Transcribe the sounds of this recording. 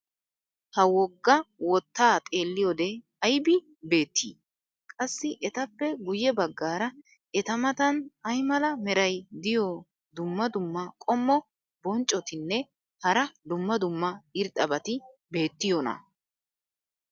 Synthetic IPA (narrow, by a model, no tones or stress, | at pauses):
hɐwɔɡːɐwɔt̪ːaːt̪ʼe̞ːlːɪjɔd̪ɛ | ɐjbɪ | be̞ːt̪ːḭː | kʼɐsːɪʔɛt̪ɐpːɛɡʊjɛbɐɡːaːɾɐ | ɛt̪ɐmɐt̪ɐnɐjmɐlɐmɛɾɐjd̪ɪjɔ | d̪ʊmːɐd̪ʊmːɐkʼɔmːɔ | bɔnt͡ʃʼːɔt̪ɪnːɛ | hɐɾɐd̪ʊmːɐd̪ʊmːɐɪɾt̪ʼɐbɐt̪ɪbe̞ːt̪ːɪjɔnɐ̰